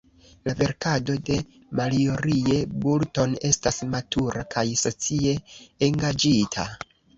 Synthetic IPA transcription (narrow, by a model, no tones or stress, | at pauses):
lave̞ɾkado̞de̞ | malio̞ɾie̞bulto̞ne̞stasmatʰuɾakajso̞t͡sie̞ːŋɡad͡ʒitʰa̰